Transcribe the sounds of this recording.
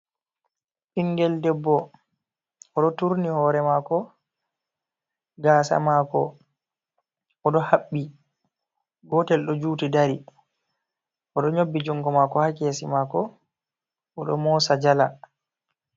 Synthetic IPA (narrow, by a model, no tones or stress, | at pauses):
ʔiŋɡɛldɛbːɔ | ʔɔɗɔtuɾnihɔːɾɛmakɔ | ɡaːsa̰makɔ̰ | ɔɗɔhaɓːi | ɡɔtɛlɗɔd͡ʒuːtidaɾi | ʔɔɗɔɲobːid͡ʒɔŋɡɔmakɔhakesimakɔ | ɔɗɔ̰mɔsad͡ʒala